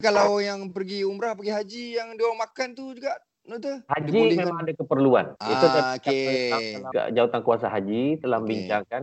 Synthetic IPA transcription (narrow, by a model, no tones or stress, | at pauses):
kalawjaŋpərɡiumɾahpəɡiɦad͡ʒijaŋdomakant̪ud͡ʒuɡaʔ | nut̪əhad͡ʒimemãŋadakəpərlua̰nit̪uakea̰d͡ʒawat̪ankuasaɦad͡ʒit̪əlahməbiɲt͡ʃaŋkan